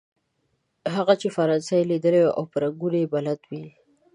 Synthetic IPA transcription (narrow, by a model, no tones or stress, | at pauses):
ɦaɣat͡ʃefaɾɑnsajlid̪əlewaʔa̰wpaɾaɡuɽebalat̪wi